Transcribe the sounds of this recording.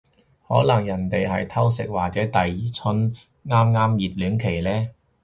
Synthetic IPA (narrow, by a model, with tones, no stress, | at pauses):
hɔː˨˥lɐ˨˩ŋjɐ˨˩nt̪e˨jɦɐ̰˨jt̪ʰɐ˥wsɪ˨k̚waː˨k̚t͡sɛː˨˥t̪ɐ˨jt͡sʰɵ˥n | ŋaː˥mŋaː˥mjiː˨t̚lyː˨˥nkʰe˨˩jlɛː˥